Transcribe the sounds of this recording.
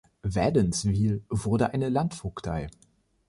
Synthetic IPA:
vɛdənsviːlvʊɐdəʔaɪnəlantfʊkd̥ʰaɪ

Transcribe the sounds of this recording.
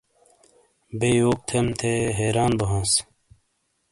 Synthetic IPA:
beːjoːk̚t̪ʰemt̪ʰeɦeːɾaːnbɐɦãːs

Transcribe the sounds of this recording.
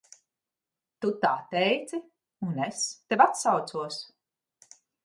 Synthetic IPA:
t̪ut̪aːt̪ɛjt̪si | unest̪evat̪sawt̪suɔs

